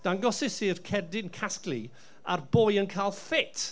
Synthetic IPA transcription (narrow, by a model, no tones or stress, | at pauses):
d̥aŋɡɔsɪsirkʰɛrdɪnkʰasklˠi | arboːjənkʰaːlˠfɪt